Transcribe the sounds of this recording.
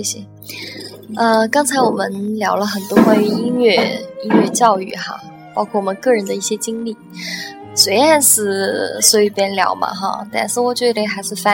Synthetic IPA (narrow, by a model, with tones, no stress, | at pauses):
ɛ˥˩ɕɛ˨˩ | ə˧kɑ˥ŋt͡sʰa˧˥ɪwɔ˨˩mə˦nljɑ˧˥ʊlə˧xə˨˩nt̪wɔ˥kwa˥˩ny˧˥i˥nɥɛ˥˩i˥nɥɛ˥˧t͡ɕjɑ˥˧ʊy˥˩xa̰˧˩ | pɑ˥kʰwɔ˥˩wɔ˨˩mə˦nkɤ˥˩ɻə˧˥nd̪ə˧i˥˩ɕjɛ˥t͡ɕi˥ŋli˥˩ | swe˧˥ɪa˥˧nʂɻ̩˥˩swɔ˥i˧˩pjɛ˥nljɑ̰˧˥ʊmɐ̰˧xa̰˧t̪a̰˥˧nʂɻ̩˥˩wɔ˨˩t͡ɕɥɛ˧˥d̪ə˧˥˩xa˧˥ɪʂɻ̩˥˧fa˥